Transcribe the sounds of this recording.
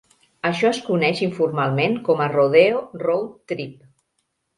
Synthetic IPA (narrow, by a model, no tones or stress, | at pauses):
əʃɔəskunɛʃiɱfurmalˠmeŋkɔməroð̞eorowtt̪ːɾip̚